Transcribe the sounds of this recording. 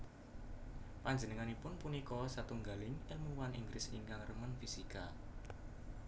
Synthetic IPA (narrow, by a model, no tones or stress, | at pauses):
paɲd͡ʒənəŋanipʊnpunikɔsat̪uŋɡalɪŋɛmuwanʔḭŋɡɾɪsɪŋkaŋrəmənfisika